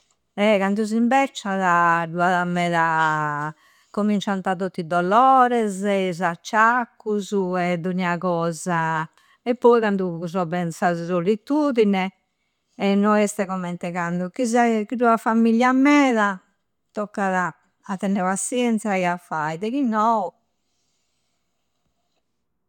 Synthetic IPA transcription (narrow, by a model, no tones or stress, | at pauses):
ɛkand̪uzimbɛt͡ʃːaðaɖuaðamːɛːða | komint͡ʃant̪aðot̪ːid̪ɔlɔːɾɛzɛizat͡ʃːakːuzuɛd̪oɲakɔːza | ɛpːɔikand̪uuzɔβɛnsazsolit̪uːðinɛ | ɛnːɔɛst̪ɛkɔmɛnt̪ɛkand̪ukizakiɾuafamːiljamɛːða | t̪ɔkːaðaː | t̪ːɛnɛβasjɛnt̪sjaɛafːajðɛkinɔu